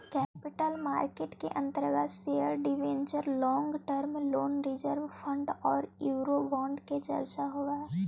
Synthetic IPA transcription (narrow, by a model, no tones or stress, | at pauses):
kɛːpɪʈəlmaːɾkeːʈkḛʔə̃nt̪əɾɡaseəɾɖɪʋẽːɲt͡ʃəɾlɔ̃ːŋɡʈəɾmloːnɾɪd͡ʒəɾʋpʰə̃ɳɖɔːɾjuːɾobãːɳɖked͡ʒə̰ɾt͡ʃaɦoːɡaː